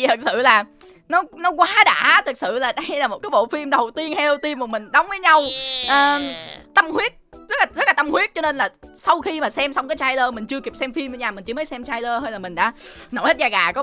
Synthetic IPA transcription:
t̪ʰɨ˨˩k̚sɨ̰˧˨laː˨˩ | nɔ˨˦nɔ˨˦kwaː˨˦ɗa̰ː˧˥˨t̪ʰɨ˨˩k̚sɨ̰˧˨laː˨˩ɗə˧jlaː˨˩mo˨˩t̚kaː˨˦jɓo̰˧˨fi˧mɗə˨˩wt̪i˧ənhɛ˧ɗə˧wt̪i˧əmku˨˩mï˨˩ŋ̟ɗə˨˦wŋ͡mvə˨˦jɲa˧wʔəː˨˩t̪ə˧mhwi˦˥ət̚zə˦˥t̚laː˨˩zə˦˥t̚laː˨˩t̪ə˧mhwi˦˥ət̚t͡ɕɔ˧ne˧nlaː˨˩sa˧wxi˧maː˨˩sɛ˧msa˧wŋ͡mkaː˨˦jt͡ɕaː˧jləː˧mï˨˩ŋ̟t͡ɕɨ˧əki˨˩p̚sɛ˧mfi˧m˧ɲaː˨˩mï˨˩ŋ̟t͡ɕɨ˧əməː˨˦jsɛ˧mt͡ɕaː˧jləː˧ɦəː˧jlaː˨˩mï˨˩ŋ̟ɗa̰ː˧˥no̰˧˩hə˦˥zaː˧˩ɣaː˨˩kɔ˨˦

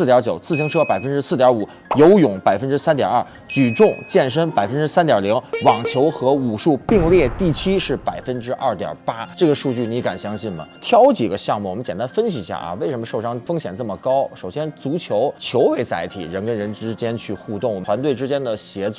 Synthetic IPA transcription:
t̪jɐ˧˥t͡ɕjo˨˩ʊt͡sʰɹ̩˥˩ɕi˧˥ŋʈ͡ʂʰɤ˥pa˨˩ɪfə˥nʈ͡ʂɻ̩˥sɹ̩˥˩jɐ˧˥u˨˩˦ | jo˧˥ʊjʊ˨˩˥ŋpa˨˩ɪfə˥nʈ͡ʂɻ̩˥sa˥nt̪jɑ̰˨˩ɐ˥˩ | t͡ɕy˨˩ʈ͡ʂʊ˥˧ŋt͡ɕjɛ˥˩nʂ̬ə˥ŋpa˨˩ɪfə˥nʈ͡ʂɻ̩˥sa˥nt̪jɐ˨˩li˧˥ŋwɑ˨˩ŋt͡ɕʰjo˧˥ʊxɤ˧˥u˨˩ʂu˥˧pi˥˧ŋljɛ˥˧t̪i˥˩t͡ɕʰi˥ʂɻ̩˥˩pa˨˩ɪfə˥nʈ͡ʂɻ̩˥ʔɐ˥˩t̪jɐ̰˨˩pa˥ʈ͡ʂɤ˥˩ɡə˩ʂu˥˧t͡ɕy˥˩ni˧˥ka˨˩nɕjɑ˥ŋɕi˥˩nmə̰˩t̪ʰjɑ˥ʊt͡ɕi˨˩ɡə˦ɕjɑ˥˧ŋmu˥˩ɔ˨˩mə˦nt͡ɕɛ˨˩nt̪a˥nfə˥nɕi˨˧˥ɕja̰˥˩ʔɐ̰˧we˥˩ɪ̯ʂə˧˥mə˧ʂo˥˩ʊʂɑ˥ŋfɤ˥ŋɕjɛ˨˩nt͡sə˥˩mə˩kɑ˥ʊʂo˨˩ʊɕjɛ˥nt͡su˧˥t͡ɕʰjo˧˥ʊt͡ɕʰjo˧˥ʊwe˧˥ɪt͡sa˧˥ɪt̪ʰḭ˨˩ɻə˧˥nkə˥nɻə˧˥nʈ͡ʂɻ̩˥t͡ɕjɛ˥nt͡ɕʰy˥˧xu˥˧t̪ʊ˥˩ŋɔ˨˩tʰwa˧˥nt̪we˥˩ʈ͡ʂɻ̩˥t͡ɕjɛ˥nd̪ə˨ɕjɛ˧˥t͡s

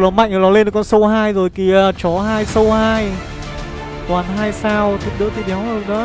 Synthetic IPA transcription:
lɔ˨˩ma̰˧˨ŋ̟ŋə˨˩lɔ˨˦le˧nə˨˩kɔ˧nso˧wɦaː˧jzo˨˩jki˨˩˨t͡ɕɔ˨˩˦ɦaː˧jsə˧whaː˧j | t̪waː˨˩nɦaː˧jsaː˧wt̪ʰi˨˦˥t̚ɗɨ̰˧˥t̪ʰi˧˩ɗɛ˨˦wzo˨˩ɗə˨˦

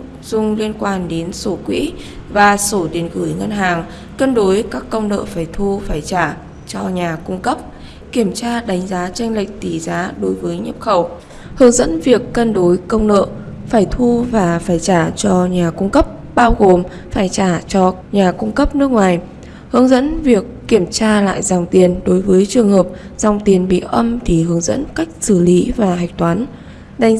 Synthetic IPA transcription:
zʊ˧ŋ͡mli˧ənkwaː˧nɗe˨˦nso˧˩kwḭ˧˥vaː˨˩so˧˩ɗi˨˩ənɣɨ˧˩jŋə˧nɦaː˨˩ŋ | kə˧nɗo˨˦jkaː˦˥kːə˧wŋ͡mnə̰ː˧˨faː˧˩jt̪ʰu˧faː˧˩jt͡ɕaː˧˩ | t͡ɕɔ˧ɲaː˨˩kʊ˧ŋ͡mkə˦˥p̚ | ki˧˩əmt͡ɕaː˧ɗa˨˦jŋ̟zaː˨˦t͡ɕa˧jŋ̟lï˨˩k̚t̪i˧˨˩zaː˨˦ɗo˨˦jvəː˨˦jɲə˦˥p̚xə˧˩w | hɨ˨˦ŋzə̰˧˥nvi˨˩əkːə˧nɗo˨˦jkə˧wŋ͡mnə̰ː˧˨ | faː˧˩jt̪ʰu˧vaː˨˩faː˧˩jt͡ɕaː˧˩t͡ɕɔ˧ɲaː˨˩kʊ˧ŋ͡mkə˦˥p̚ | ɓaː˧wɣo˨˩m | faː˧˩jt͡ɕaː˧˩t͡ɕɔ˧ɲaː˨˩kʊ˧ŋ͡mkə˦˥p̚nɨ˦˥ək̚ŋwaː˨˩j | hɨ˨˦əŋzə̰˧˥nvi˨˩əkːi˧˩əmt͡ɕaː˧la̰ː˧˨jzaː˨˩wŋ͡mt̪i˨˩ənɗo˨˦jvəː˨˦jt͡ɕɨ˨˩əŋhəː˨˩p̚ | z̥a˧wŋ͡mt̪i˨˩ənɓḭ˧˨ʔə˧mt̪ʰi˨˩hɨ˨˦əŋzə̰˧˥nka˦˥jk̟̚sɨ˧˩li˨˦vaː˨˩ɦa˨˩jk̚t̪waː˨˦n | ɗa˨˦ŋ

